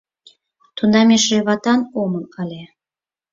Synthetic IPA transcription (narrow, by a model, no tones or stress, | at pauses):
t̪ʰund̪ɑmʲeʃreβɑt̪ɑnomənkɑlʲe